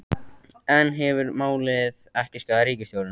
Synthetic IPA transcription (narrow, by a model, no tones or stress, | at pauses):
ɛnɦɛvʏɾmaːwlɪðɛhcɪskaðaɾiːcɪst̪jowɾʏn